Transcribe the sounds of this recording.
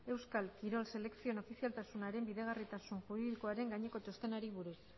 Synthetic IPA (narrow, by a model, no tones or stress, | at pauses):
e̞wskalkiɾo̞lse̞le̞ksio̞no̞fisialt̪asunaɾe̞mbiðeɣarit̪asunʝuɾiðiko̞aɾe̞ŋɡaɲeko̞t̪ost̪e̞naɾiβuɾus